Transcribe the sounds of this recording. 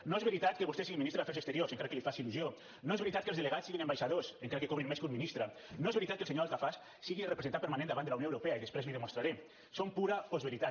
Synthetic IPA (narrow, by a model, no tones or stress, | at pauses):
noezβeɾit̪at̪̚kəβust̪esiɣiminist̪ɾaðefeɾs̬ekst̪eɾioseŋkaɾakelifasiluzio | noezβɾit̪at̪kəlzðeleɣat͡ssiɣinembajʃaðoseŋkaɾakekɔβɾinmeskumminist̪ɾa | noezβeɾit̪at̪kəlˠseɲoelˠt̪afas | siɣirepɾezent̪at̪̚peɾmanẽnd̪əβand̪elawnjoewɾupeaiðespɾezliðemust̪ɾaɾe | sompuɾapozβeɾit̪a